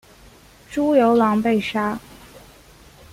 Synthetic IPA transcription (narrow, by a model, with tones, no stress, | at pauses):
ʈ͡ʂu˥jo˧˥ʊlɑ˧˥ŋpe˥˩ɪʂa˥